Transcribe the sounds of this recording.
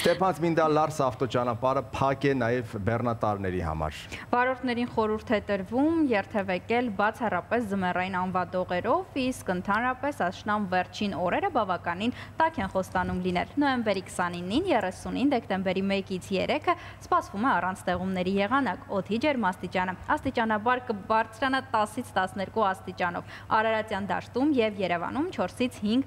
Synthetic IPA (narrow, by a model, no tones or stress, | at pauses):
st̪ɛpʰɑnt͡smind̪ɑlɑɾsɑft̪ɔt͡ʃɑnɑpɑɾəpʰɑkɛnɑjɛvbɛrnɑt̪ɑɾnɛɾḭhɑ̰mɑ̰ɾ | vɑɾɔɾt̪ʰnɛɾinχɔɾuɾt̪ʰɛt̪əɾvumjɛɾt̪ʰɛvɛkɛlbɑt͡sʰɑrɑpɛszəmɛrɑjinɑnvɑd̪ɔʁɛɾɔviskənt̪ʰɑnɾɑpɛsɑʃnɑmvɛɾt͡ʃʰinɔɾɛɾəbɑvɑkɑnint̪ɑkʰɛnχɔst̪ɑnumlinɛ̰lnɔjɛmbɛɾikʰsɑninːinjɛrɛsunind̪ɛkt̪ɛmbɛɾimɛkit͡sʰjɛ̰ɾɛkʰə | spɑsvumɛɑrɑnt͡sʰt̪ɛʁumnɛɾijɛʁɑnɑkɔt̪ʰid͡ʒɛɾmɑst̪it͡ʃɑnəɑst̪it͡ʃɑnɑbɑɾkəbɑɾt͡sʰɾɑnət̪ɑsit͡sʰt̪ɑsnɛɾkuɑst̪it͡ʃɑn̪ɔ̰v | ɑ̰ɾɑɾɑt͡sjɑnd̪ɑ̰ʃt̪umjɛvjɛɾɛvɑ̰numt͡ʃʰɔɾsit͡sʰhiŋɡ